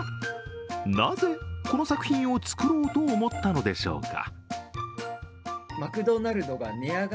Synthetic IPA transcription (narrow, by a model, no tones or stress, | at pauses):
naze̞ko̞no̞sakɯ̟̥çʲĩɰ̃o̞t͡sɨ̥kɯ̟ɾo̞ːt̪o̞ːmo̞t̪ːano̞d̪e̞ɕo̞̰ːka̰ | makɯ̟d̪o̞naɾɯ̟no̞ɡamʲiaɡa